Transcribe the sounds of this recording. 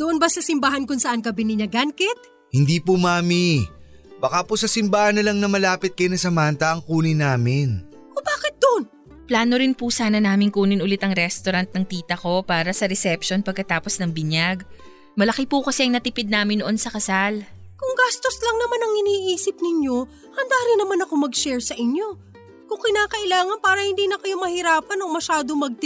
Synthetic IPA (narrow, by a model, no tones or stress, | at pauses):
d̪oʔonbɐsɐsɪmbahɐnkʊŋsɐʔankɐbɪnɪɲɐɡɐnkɛt̪̚ | hɪnd̪iːpumaːmi | bɐkaːposɐsɪmbaːhɐnɐlaŋnɐmɐlaːpɪt̪̚kɐjonɐsɐmaːnt̪ɐʔɐŋkuːnɪnaːmɪn | kobaːkɪt̪̚d̪oʔon | plaːno̞ɾɪnpusaːnɐnaːmɪŋkuːnɪnʔʊlɪt̪ɐŋɾɛst̪oɾɐnt̪̚nɐŋt̪iːt̪ɐko̞paːɾɐsɐɾɛsɛpʃo̞npɐɡ̚kːɐt̪aːpo̞snɐŋbɪɲjaɡ | mɐlɐkɪpukɐsɛʔɐŋnɐt̪ɪpɪd̪̚naːmɪnd̪oʔo̞nsɐkɐsalkʊŋɡast̪oslɐŋnɐmanɐŋɪniːʔiːsɪp̚nɪɲjo̞ | hɐnd̪aːɾɪnːɐmanɐko̞mɐɡʃɛɹsɐʔɪɲjo̞ | kʊŋkɪnaːkɐʔɪlaːŋɐnpaːɾɐhɪnd̪iːnɐkɐjomɐhɪɾaːpɐnomɐʃaːd̪omɐɡ̚t̪